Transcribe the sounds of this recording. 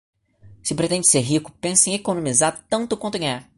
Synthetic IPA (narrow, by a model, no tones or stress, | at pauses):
sɪpɾet̪ẽd͡ʒɪ̥seɾɦikʊ̥pẽsɐẽekonõmizaɾt̪ɐ̃nt̪ʊkwɐ̃nʊɡɐ̃ɲaɾ